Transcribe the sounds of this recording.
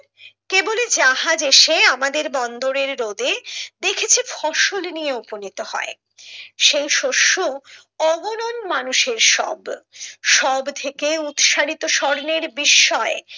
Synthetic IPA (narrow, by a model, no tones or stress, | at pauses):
keboled͡ʑaɦad͡ʑeʃeamad̪eɾbɔnd̪oɾeɾːod̪ed̪ekʰet͡ɕʰefɔʃolnijeuponit̪ohɔ̰e | ʃejʃoʃːo | ɔɡononmanuʃeɾʃɔ̰bʃɔbt̪ʰekeut̪ʃaɽit̪oʃɔɾneɾbiʃːɔe